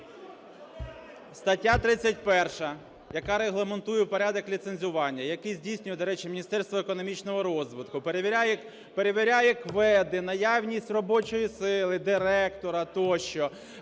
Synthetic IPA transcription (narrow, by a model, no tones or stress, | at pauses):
st̪ɐtʲːat̪ɾɪt͡sʲːɐt̚ʲpɛrʃɐ | jɐkɑɾeɦlˠement̪ujɛwpɔɾʲad̪ɔklʲit̪senʲzʲʊʋɑnʲːɐjɐkɪjzʲdʲijsʲnʲʊjɛd̪ɔɾɛt͡ʃɪmʲinʲist̪ɛrst̪ʋɔekɔnɔmʲit͡ʃnɔɦɔɾɔzʋɪt̪kʊpeɾʋʲj | peɾeʋʲiɾʲajɛkʋɛd̪ɪnɐjawnʲisʲtʲrɔbɔt͡ʃɔjisɪlˠɪd̪ɪɾɛkt̪ɔɾɐt̪ɔʃt͡ʃɔ